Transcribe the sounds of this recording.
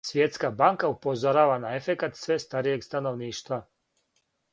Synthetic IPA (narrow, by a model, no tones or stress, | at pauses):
sʋjet̪skabaŋkaupo̞zoɾaːʋanae̞fe̞kat̪sʋe̞st̪aɾije̞ɡst̪ano̞ʋniːʃt̪ʋa